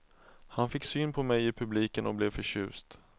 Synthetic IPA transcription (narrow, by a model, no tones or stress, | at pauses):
hanfɪkːsyːnpʰɔmɛjɪpʰɵbliːkənɔblɛvfœɕʉ̟ːst̪